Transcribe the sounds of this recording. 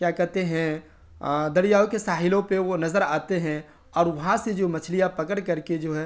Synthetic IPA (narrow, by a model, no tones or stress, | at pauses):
kjaːkɐɦɾt̪eɦɛ̃ | d̪ɐɽijaːõkesaːɦɪlõpeʋonɐzəɾaːt̪eɦɛ̃ | ɔːɾʋɐɦãsed͡ʒomɐt͡ʃʰlijapɐkəɽ̃kɐɾked͡ʒoːɦɛː